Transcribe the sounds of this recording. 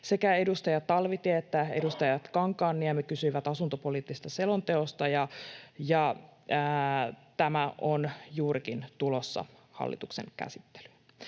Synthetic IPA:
se̞kæe̞dust̪ɑjɑt̪ːɑlʋit̪iæet̪ːæedust̪ɑjɑt̪kɑŋkˑɑːnːiɛmykysyiʋæt̪ɑsunt̪opo̞liːt̪ːise̥st̪ɑse̞lo̞nt̪e̞ost̪ɑjɑjɑ | t̪æmæʔonjuːɾikint̪ulosːɑ̰ | hɑ̰lːḭt̪uksḛŋkæ̰sit̪ːe̥ly̥

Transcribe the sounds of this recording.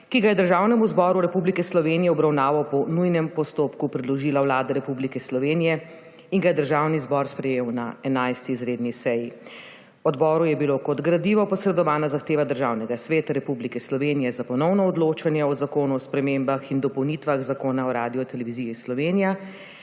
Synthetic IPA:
kiɡajɛd̪əɾʒawnɛmuzbɔːɾuɾɛpublikɛslɔʋenijɛɔbɾawnaːʋapɔnujnɛmpɔst̪oːpkupɾid̪lɔʒiːlawlaːd̪ɛɾɛpublikɛslɔʋenijɛ | iŋɡajɛd̪əɾʒaːwnizbɔɾspɾɛjeːwnaɛnajst̪iːzɾeːd̪nisɛji | ɔd̪bɔːɾujɛbilokɔd̪ɡɾad̪liʋɔpɔsɾɛd̪ɔʋaːnazaxt̪eːʋad̪əɾʒaːwnɛɡasʋeːt̪aɾɛpublikɛslɔʋeːnijɛzapɔnɔwnɔɔd̪loːt͡ʃanjɛɔzakoːnuɔspɾɛmembaxind̪ɔpɔwnit̪ʋaɣzakoːnaɔɾaːd̪ijɔt̪ɛlɛʋizijislɔʋenija

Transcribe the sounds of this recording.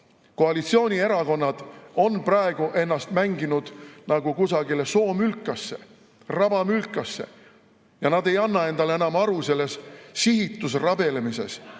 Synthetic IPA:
ko̞ɑlit̪sio̞ːnʲie̞ɾɑko̞nːɑd̪̥o̞nprɑeɡ̥uʔe̞nːɑst̪mæŋɡinud̪̥nɑɡ̥ukusɑɡile̞so̞ːmylkːˑɑsːe̞̰ | rɑb̥ɑmylkːˑɑsːe̞̰ | jɑnɑd̪e̞jɑnːɑe̞nd̪̥ɑleenɑmɑɾuse̞lːe̞ssiɦit̪ːˑus̬rɑbe̞lemise̞̰s

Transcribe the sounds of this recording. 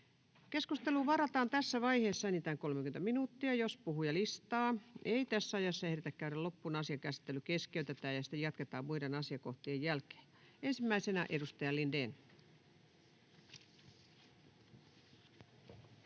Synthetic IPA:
keskust̪eluːʋɑrɑt̪ɑːnt̪æsːæʋɑiheːsːɑenit̪æːŋko̞lmekyent̪æminuːt̪ːiɑjospuhujɑlist̪ɑːeit̪æsːæɑjɑsːɑehɾet̪ækkæyɾælopːunɑsiɑkæsi̥t̪ːelːykeskeyt̪et̪æːjɑsi̥t̪ejɑt̪ket̪ɑːmmuidenɑsiɑkoht̪iejjælke̥ː | ensimːæisenɑʔedust̪ɑjɑlindeːn

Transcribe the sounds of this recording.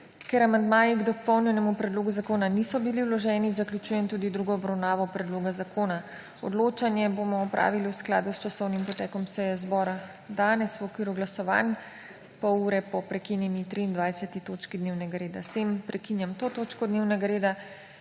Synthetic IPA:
kɛɾamand̪maːjiɡd̪ɔpɔwnjɛnɛmupɾɛd̪loːɡuzakoːnanisɔbiliwlɔʒɛːnizaklʲjut͡ʃuːjɛnt̪uːd̪id̪ɾuɡɔːbɾawnaːʋɔpɾɛd̪loːɡazakʰoːna | ɔ̰d̪loːt͡ʃanjɛboːmɔːpɾʔa̰ːʋiliwskla̰ːd̪ust͡ʃasɔwnimpɔt̪ɛːkɔmsɛjɛzbɔːɾa | d̪aːnɛswɔkʋiːɾuɡlasɔʋa̰n | pɔuːɾɛpɔpɾɛkinjɛnit̪ɾiːnd̪ʋajsɛt̪it̪oːt͡ʃkid̪neːwnɛɡaɾeːd̪ast̪empɾɛkinjamt̪oːt̪oːt͡ʃkɔd̪neːwnɛɡaɾeːd̪a

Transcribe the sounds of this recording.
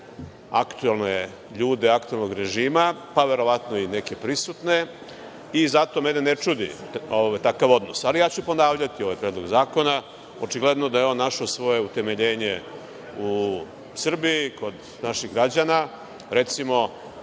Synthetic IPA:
a̰kt̪uelˠne̞ | ʎuːd̪eakt̪uelno̞ɡɾe̞ʒiːmapaʋe̞ɾo̞ʋat̪no̞ine̞ke̞pɾisut̪ne̞ | izat̪o̞menenet͡ʃud̪ḭoʋt̪akaʋo̞d̪nosalijaːt͡ɕupo̞naːʋʎat̪io̞ʋajpɾjed̪loɡzaːko̞na | ot͡ʃiɡled̪nod̪ajeo̞nːaʃosʋo̞je̞ut̪e̞me̞ʎe̞ːɲe̞ | u | sr̩biikʰo̞d̪ | naʃiɣɡɾad͡ʑana | ɾe̞t̪simo̞

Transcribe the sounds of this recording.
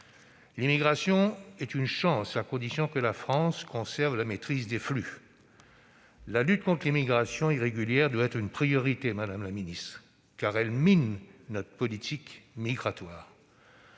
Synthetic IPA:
limiɡʁasjɔ̃ɛt̪ynʃɑ̃sakɔ̃d̪isjɔ̃kəlafχɑ̃skɔ̃sɛʁvlamet̪χizd̪efly | lalyt̪̚kɔ̃t̪χlimiɡʁasjɔ̃iʁeɡʲyljɛʁd̪waɛt̪χynpχijɔʁit̪emad̪amlaminist̪χ | kaʁɛlminːɔt̪χə̥pɔlit̪ʰikmiɡʁat̪waːʁ

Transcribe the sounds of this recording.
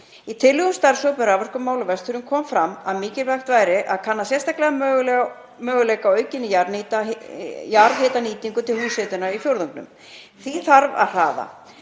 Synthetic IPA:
it̪ʰɪlːʏɣʏmst̪aɾsowpɛɾavaɾskʏmːaːwlʏvɛst̪ʏɾʏmkʰɔːmfɾamaðmiːcɪlvaxt̪vaːjɾɪʔaðkʰanːasjɛst̪aklɛɣamœɣl | mœːɣʏlejkawœːɥcɪnːɪjaɾniːt̪ajaɾðɦeːt̪aniːt̪iŋkʏt̪ʰɪlhuːsɛːt̪ʏnaɾifjowɾðɔŋknʏ̰m | θiθaɾva̰ðr̥a̰ːða̰

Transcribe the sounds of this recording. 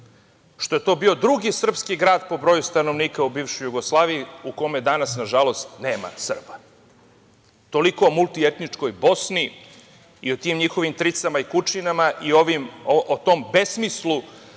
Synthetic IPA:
ʃt̪o̞je̞t̪o̞ːbio̞d̪ɾuɡisr̩pskiɡɾaːd̪po̞bɾo̞just̪ano̞ʋniːkaubiːʋʃojuɡoslˠaːʋiiuko̞mjed̪anasnaʒalo̞st̪ne̞ːma̰sr̩ba | t̪o̞liko̞ːmulˠt̪ie̞t̪nit͡ʂko̞jbo̞sni | io̞t̪iːmɲixo̞ʋimt̪ɾit̪samaikut͡ʃinamaʔioʋimot̪o̞mbe̞smislˠu

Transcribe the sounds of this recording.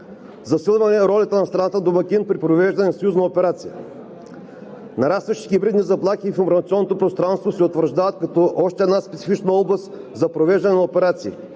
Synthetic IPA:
zɐsilˠvɐnɛɾɔlʲɐt̪ənɐst̪ɾɐnat̪əd̪omɐkinpɾipɾovɛʒd̪ɐnɛnɐsɐjuznɐopɛɾat̪sijə | nɐɾast̪vəʃt̪i̥ɡʲibɾid̪nizɐplˠaxiːfɪmbɾɐnt̪siɔnːot̪opɾost̪ɾanst̪vosɛot̪vəɾʒd̪avɐt̪̚kɐt̪ɔʔɔʃt̪ɛd̪naspɛt̪sifit͡ʃnəɔblˠɐst̪ | zɐpɾovɛʒd̪ɐnɛnɐopɛɾat̪sḭː

